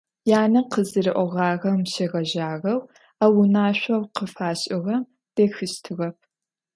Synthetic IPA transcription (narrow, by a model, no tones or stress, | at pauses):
jaːnɐqəzɨɾɨʔʷɔʁɑːɣɐmɕeɣɐʒaːɣɐw | awʊnaːɕʷɐwqəfaːɕʼɪʁɐm | d̥eːxɨʃtʰɨʁɐp̚ʰ